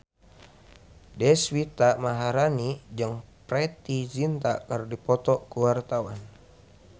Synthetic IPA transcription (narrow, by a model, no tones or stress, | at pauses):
dɛswit̪amaɦaɾanid͡ʒɨŋpɾɛt̪id͡ʒint̪akərdipɔt̪ɔkuwart̪awan